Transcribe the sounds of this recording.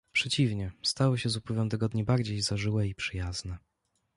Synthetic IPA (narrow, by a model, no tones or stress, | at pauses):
pʂɛt͡ɕivɲɛst̪awɘɕɛzupwɘvɛmt̪ɛɡɔd̪ɲibaɾd͡ʑejzaʐɘwɛipʂɘjaznɛ